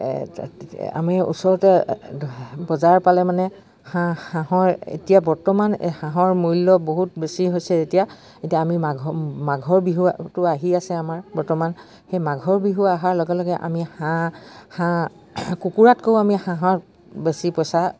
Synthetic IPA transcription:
a̰maɹṵsɔɹɔtɛ | bɔzaɹpalɛmanɛ | hahãɦɔɹḛtijabɔɹtɔman̰hãɦɔɹmujlɔboɦut̚besiɦojsɛetija | etijaːmimaɡmaɡʱɔɹbiɦuatʊaɦiasɛamaɹbɔɹtɔman | xejmaɡʱɔɹbiɦuaaɦaɹlɔɡɛlɔɡɛʔa̰mihãhã | kukuɹatkowamihãɦɔɹ | besipɔjsa

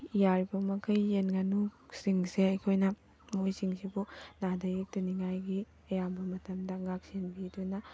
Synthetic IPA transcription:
jaɾibɐmɐkʰɐjːenɡɐnuksiŋseɐjkʰojnɐ | mojsiŋsibunadɐjek̚tɐniŋajɡi | ɐjambɐmɐtɐmdɐŋak̚senbidojnɐ

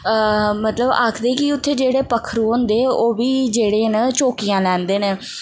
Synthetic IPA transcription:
mət̪ləba̰ːkʰd̪eːkɪʊt̪ʰːeːd͡ʒeːɽeːpəkʰːəɾuːɦõnd̪eːoːʋiːd͡ʒeːɽeːnət͡ʃoːkijãːlɛːnd̪eːneː

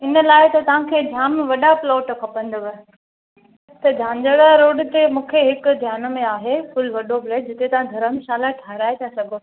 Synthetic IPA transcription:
ɪnə̆laːɪt̪ɐt̪ɐʋ̤ãkʰeːd͡ʑ̪ʱaːmʋɐɗaploːʈkʰɐpə̃nd̪əʋə | t̪ɐd͡ʑʱãːɲd͡ʑəɽaɾoːɽt̪emũːkʰeɦɪkʊd̪ʱjaːnomẽaːɦefʊlʋɐɗobleːʈ̚d͡ʑɪt̪et̪ɐʋ̤ãd̪ʱɐɾəmʃaːlaʈʰaːɾaːet̪ʰasɐɡʱo

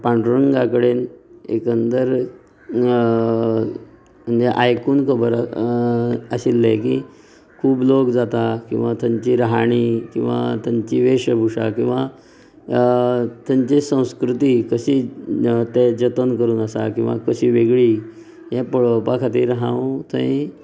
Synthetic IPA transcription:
paɳɖɾəŋɡakəɽenḛkənd̪əɾ | m̤əɳd͡zeʔajkuːnkʰəbəɾ | əɕilːek̬i | kʰuːblokd͡zat̪akḭ̃w̃ʋat̪aɲt͡ɕiɾɦaɽ̃ikḭ̃w̃ʋa̰t̪jaɲt͡ɕiʋeɕəbʱuʂa̰kĩw̃ʋa | t̪jaɲt͡ɕesə̃w̃skɾut̪ikəɕiːt̪ed͡ʑət̪ənkəɾuːnəsa̰kĩʋa̰kəɕiːʋeɡɭi | jɛpəɭəpakʰat̪iːɾɦãwt̪ʰə̃ĩ

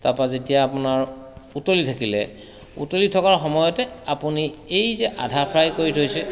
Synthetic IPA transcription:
tapazetijaːpunaɹutolitʰakilɛ̰ | ṵtolitʰɔkaɹxɔmɔjɔtɛapuniejzɛʔa̰dʱapʰɹajkoɹitʰojsɛ

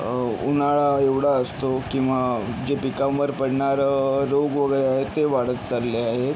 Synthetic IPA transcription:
unaɭaeʋɽ̤aəst̪okĩw̃ʋad͡ʑepikaməɾpəɽɳaɾɾoɡʋəɡəɾeaɦet̪ːeʋaɽət̪t͡saɾleaɦet̪

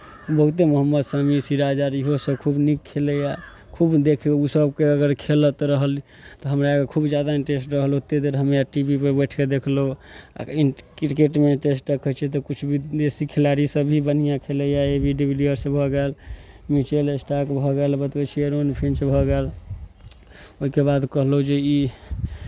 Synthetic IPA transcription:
bəɦut̪̬emoɦəmːəd̪samisiɾad͡ʒaɾiɦosəkʰubnikʰːeləja | kʰubd̪ekʰusəb̚keəɡəɾkʰelət̪ɾəɦəli | t̪ɔɦəmɾakekʰubd͡ʒjad̪aiɳʈesʈɾəɦlot̪ed̪eɾɦəmejaʈibipəɾbəʈʰked̪ekʰloa̰ikɾkeʈmeʈesʈɾəkʰət͡ʃʰɛt̪̬ɔkut͡ʃʰbʱid̪esikʰilaɾisəbʱibənijãkʰeləjaebʱiɖibliəɾsə̃bʱɔɡel | mit͡ʃelesʈakbʱɔɡelbət̪bɛt͡ʃʰieɾonpʰĩnt͡ʃbʱɔɡel | oɦikebad̪kəɦlɦod͡ʒei

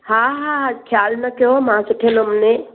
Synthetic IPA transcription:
hãɦãɦãkʰjalnəkeɦomɦãsəʈʰeləmne

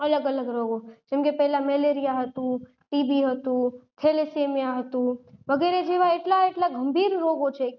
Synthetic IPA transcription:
ələɡələɡɾoɡod͡ʒɛmkepɛɦɛlamɛleɾijaɦət̪ũ | ʈibiɦət̪ũk̪ʰelesemijaɦət̪ũʋəɡɛɾed͡ʒeʋaeʈlaeʈlaɡʱəmbʱiɾɾoɡot͡ʃʰe

